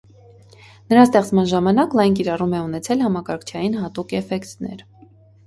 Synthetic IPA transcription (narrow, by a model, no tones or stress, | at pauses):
nəɾɑst̪ɛχt͡smɑnʒɑmɑnɑklɑjnkiɾɑrumɛunɛt͡sʰɛlhɑmɑkɑɾkʰt͡ʃʰɑjinhɑt̪ukɛfɛkt̪nɛ̰ɾ